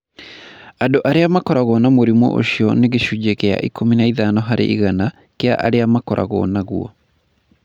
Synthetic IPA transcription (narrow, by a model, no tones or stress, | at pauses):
adoʔaɾeamakɔɾaɣɔnamoɾimɔ̰ʔo̰ʃiɔneɣeʃud͡ʒekea̰ʔikʰominaiðanɔɦaɾḛʔiɣana | kea̰ʔa̰ɾeamakɔɾʔa̰ɣɔ̰naɣwɔ̰